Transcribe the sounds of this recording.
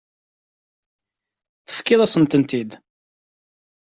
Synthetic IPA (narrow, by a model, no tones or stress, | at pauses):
θə̥fkːɪðˤæsənt̪ənt̪id̪